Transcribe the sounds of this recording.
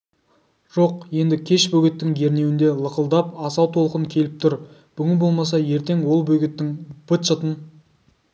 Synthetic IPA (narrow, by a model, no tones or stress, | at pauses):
ʒ̥o̞qje̞nd̪ɪkʲʰe̞ʃbɵɡʲɪt̪ːɪŋɡe̞ɾnewɪnd̪e̞lˠəqəlˠd̪ɑpɑsɑwt̪ʰo̞lˠqənkʲʰe̞lɪp̚t̪ʰʊɾ | b̥ʏɡʲɪnbo̞lˠmɑs̬ɑje̞ɾt̪e̞ŋwo̞lˠbɵɡʲɪt̪ːɪŋb̥ət̪ʃət̪ən